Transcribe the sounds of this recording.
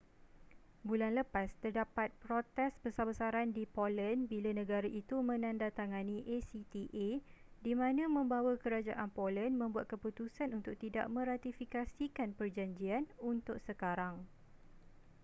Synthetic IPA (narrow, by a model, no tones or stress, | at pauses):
bulanləpast̪ərdapat̪̚pɾot̪ɛsbəsabəsaɾandipolənbilanə̃ɡaɾaʔit̪umə̃nãndat̪aŋãnĩʔesit̪iʔe | dimãnãmə̃mbawakəɾad͡ʒa̰ʔanpolənmə̃mbuat̪̚kəput̪usanunt̪ʊk̚t̪ida̰ʔmə̃ɾat̪ifikasikanpərd͡ʒaɲd͡ʒianunt̪ʊk̚səkaɾaŋ